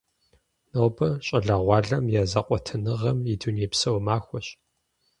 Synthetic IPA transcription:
noːbɐɕʼɐɮɐʁʷɑːɮɐmjaːzɐqʷʼɔtʰɨnɨʁɐmiduneːpsɐwmaːxʷɔɕ

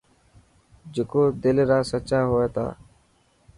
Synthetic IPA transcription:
d͡ʒekoːd̪ɪlːɾaːsətːt͡ʃʃaːɦoːeːt̪a̰ː

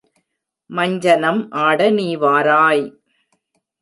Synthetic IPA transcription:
mɐɲd͡ʒɐnɐmʔaːɽɐniːʋaːɾaːj

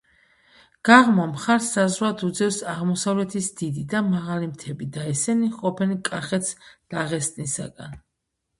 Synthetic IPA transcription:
ɡ̥aʁmamχaɾsːazwad̪ud̪zɛfsaʁmɔsavlɛt̪ʰisd̪id̪id̪amaʁalimt̪ʰɛbid̪aɛsɛniqʼɔpʰɛnikʼaχɛt̪sd̪̥aʁɛst̪ʼnisa̰ɡa̰n

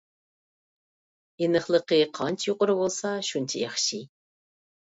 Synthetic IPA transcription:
inəχlˠəqeqʰɑnt͡ʃjoqʼəɾwolˠsɑʃunt͡ʃʰɪjɑχʃi

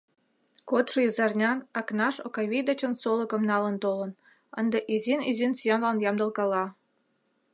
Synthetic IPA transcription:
kot̪ʃəizɑrnʲɑnɑknɑʃokɑβʲid̪ɑt͡ɕənsolə̆kə̆mnɑlə̆nt̪olə̆n | ə̰nd̪ə̆ʔizinizʲinsijɑnlɑnjɑmd̪ə̆lkɑlɑ

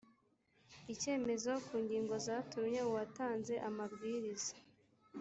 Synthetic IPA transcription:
ice̞ːme̞zokuːɲɡiːŋɡo̞zaːtumɲe̞uwataːnze̞ʔamabɡiɾizḁ

